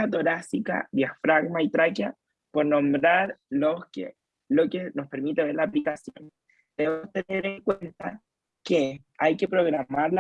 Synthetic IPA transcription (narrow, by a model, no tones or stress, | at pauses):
at̪o̞ɾasika̰ðjafɾaɣmait̪ɾakja | po̞ɾno̞mbɾaɾloskḛ | lokeno̞spe̞ɾmit̪e̞βe̞ɾlaːplikasjon | d̪̥eeost̪e̞neɾeŋkwent̪a | ke | ajke̞pɾo̞ɣɾamaɾla